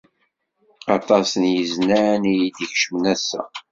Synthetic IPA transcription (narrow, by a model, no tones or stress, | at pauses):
ɑt̪ˤɑsənjəznænijid̪əçʃəmnæsːæ̰